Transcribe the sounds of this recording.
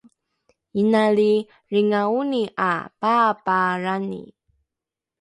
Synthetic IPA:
inaɭi | ɾiŋauniʔa̰papaɾanḭ

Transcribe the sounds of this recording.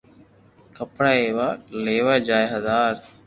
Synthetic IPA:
kəpɽaːeːʋaleːʋad͡ʒaːjɦɐzaːɾ

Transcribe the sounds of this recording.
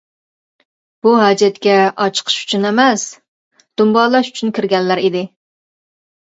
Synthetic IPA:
b̥uɦɑd͡ʒɛt̪kʲɛɑt͡ʃʰə̥qʰə̥ʃy̥t͡ʃʰynɪmɛs | d̪̥umbɑːlˠɑʃy̥t͡ʃʰynkʲʰiɾɡʲɛnlæɾid̪ɪ

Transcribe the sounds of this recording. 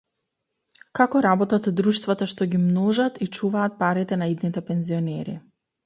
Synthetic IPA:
kakɔɾabɔt̪at̪d̪ɾuʃt̪vat̪aʃt̪ɔɡimnɔʒat̪it͡ʃuvaːt̪̚paɾit̪ɛnaid̪nit̪ɛpɛnziɔnɛɾḭ

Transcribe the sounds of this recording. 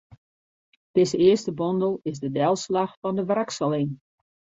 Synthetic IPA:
d̥ɪzəɪəstəbɔndəlˠɪzdədɛlˠslaxfɔndəʋraksəlˠɪn

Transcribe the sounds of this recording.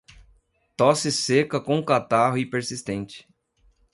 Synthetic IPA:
t̪ɔsɪsekɐkõʊkat̪aɦʊipeɾsist̪ẽnt͡ʃɪ̥

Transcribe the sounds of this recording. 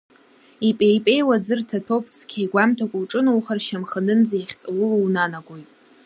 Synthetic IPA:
ipʼejpʼe̞jwad͡zɨrtʰatʰopʰt͡sʰkʲʰajɡʷamtʰakʷʼʊwʈ͡ʂʼɨnowχarʃamχənɨnd͡zaiχʲt͡sʼawʊluwnanaɡʷʼojtʼ

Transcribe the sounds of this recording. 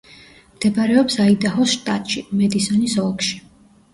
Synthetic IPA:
md̪̥ɛbaɾɛɔpsaid̪aɦɔsʃt̪ʼat̪ʼʃimɛd̪isɔnisɔlˠkʃi̥

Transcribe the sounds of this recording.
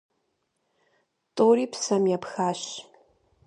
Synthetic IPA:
tʼoːriːpsɐmjɛpxaːɕ

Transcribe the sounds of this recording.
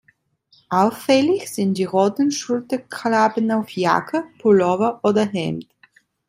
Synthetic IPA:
ʔaʊfːɛlɪçz̥ɪnt̚d̥iːʁoːtn̩ʃʊltɐkʰlaːbənaʊfja̰kʰəpʰulɔvɐʔoːdɐɦɛ̰mt

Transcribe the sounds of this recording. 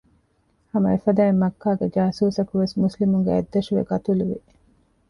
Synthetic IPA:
hɐmɐefɐd̪æːimːɐkʰːaːɡed͡ʒaːsuːsɐkuʋesmuslimuŋɡeḛd̪ːɐʃuʋḛɡɐt̪uluʋi

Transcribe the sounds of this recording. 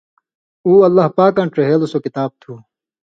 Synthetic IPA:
uːɐlːaɦpaːkɐ̃ɳʈɾeɦeːlosokit̪aːb̚t̪ʰuː

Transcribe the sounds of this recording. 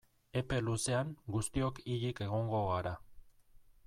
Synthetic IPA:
e̞pe̞luse̞aŋɡust̪io̞kiʎike̞ɣ̞o̞ŋɡo̞ɣaɾa

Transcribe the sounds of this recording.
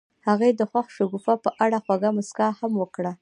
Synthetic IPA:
haɣejd̪əxwaxʃaɡufapəʔaɽaxwaɡamʊskahamwəkɽa

